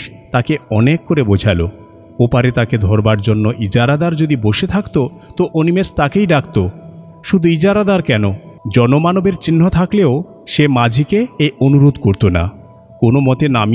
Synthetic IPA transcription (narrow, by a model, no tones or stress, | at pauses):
t̪akeɔnekːoɾebod͡ʑʱalo | opaɾet̪aked̪ʱɔɾbaɾd͡ʑonːoʔid͡ʑaɾad̪aɾd͡ʑod̪iboʃet̪ʰakt̪ot̪oʔonimest̪akejɖakt̪o | ʃud̪ʱuid͡ʑaɾad̪aɾkɛnod͡ʑɔnomanobeɾt͡ɕinːot̪ʰakleo | ʃemad͡ʑʱikeeonuɾod̪ʱkoɾt̪ona̰ | konomɔt̪enami